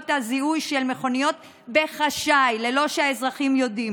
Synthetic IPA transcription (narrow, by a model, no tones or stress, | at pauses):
vtaziujʃelmeχo̞nijo̞t̪̚ | be̞χaʃajlelo̞ʃeaezʁaχimjo̞dim